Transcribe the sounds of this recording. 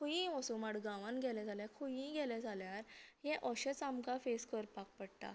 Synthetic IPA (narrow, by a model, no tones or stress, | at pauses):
kʰujĩɔsumaɽɡãʋãnɡʱɛlɛd͡zʱaljakʰujĩɡɛlɛ̃d͡zʱaljaɾjɛ̃ʔɔɕət͡samkafeskəɾpak̚pəɽt̪a̰